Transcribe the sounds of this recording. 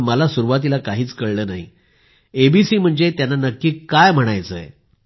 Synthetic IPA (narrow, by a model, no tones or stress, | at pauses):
məlasuɾuʋat̪̬ilakaɦiːt͡skəɭləːnaɦḭ | ebisiːm̤əɳd͡zet̪janːanəkːiːkːajm̤əɽ̃ajt͡səj̰